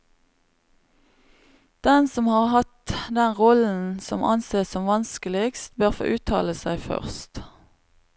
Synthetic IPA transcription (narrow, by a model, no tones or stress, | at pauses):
d̪̥ɛnsɔmhɑːʁhɑt̪d̪ɛnʁɔln̩sɔmʔɑ̰nseːssɔmʋɑnskəlɪkst̪̚bøːʁfo̰ːʔʉːt̪ʰɑ̰ːləsæɪfœ̰ʁst̪